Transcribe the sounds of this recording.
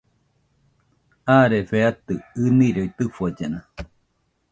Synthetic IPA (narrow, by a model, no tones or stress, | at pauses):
aɾefeat̪ɯːniɾoit̪ɨfuad͡ʒena